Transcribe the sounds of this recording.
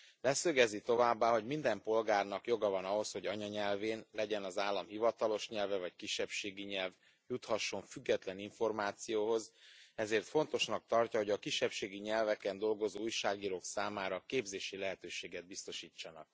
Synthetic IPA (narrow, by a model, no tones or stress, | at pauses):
lɛsøɡɛzit̪o̞vaːbːaːɦo̞ɟmind̪ɛmpo̞lɡaːrnɒkjo̞ɡɒvɒnɒɦo̞sho̞ɟɒɲɒɲɛlveːnlɛɟɛnɒzaːlːɒmhivɒt̪ɒlo̞ʃɲɛlvɛvɒckiʃːɛpʃeːɡiɲɛlv | jut̪hɒʃːo̞ɱfyɡːɛt̪lɛniɱfo̞rmaːt̪sijoːɦo̞zɛzeːrt̪fo̞nt̪o̞ʃnɒk̚t̪ɒrcɒɦo̞ɟɒkiʃːɛpʃeːɡiɲɛlvɛkɛnd̪o̞lɡo̞zoːujʃaːɡiːɾoːksaːmaːɾɒkeːbzeːʃilɛɦɛt̪øːʃeːɡɛd̪̚bist̪o̞ʃiːt͡ʃːɒnɒ̰k̚